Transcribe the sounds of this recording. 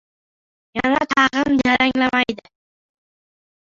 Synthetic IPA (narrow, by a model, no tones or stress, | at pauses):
jɑnat̪ʰɑʁəmd͡ʒaɾaŋlamajd̪ɪ